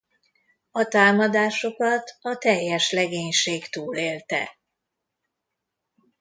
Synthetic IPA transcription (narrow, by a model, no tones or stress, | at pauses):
ɒt̪aːmɒd̪aːʃo̞kɒt̪ɒt̪ɛjːɛʃlɛɡeːɲʃeːkt̪uːleːlt̪ɛ̰